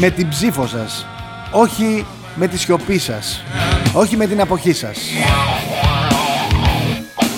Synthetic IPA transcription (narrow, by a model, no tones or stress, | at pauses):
me̞t̪imbzifo̞sɐs | o̞çi | me̞t̪isço̞pisɐ̰so̞çime̞t̪inɐpo̞çisɐ̰s